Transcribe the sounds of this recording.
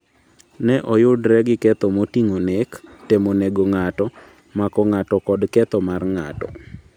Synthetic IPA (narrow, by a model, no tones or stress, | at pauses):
nɛʔɔjʊdɾɛɡɪkɛt̪ɔmotiŋonektemoneɡoŋatɔ | makɔŋatɔkɔdkɛt̪ɔmarŋa̰tɔ̰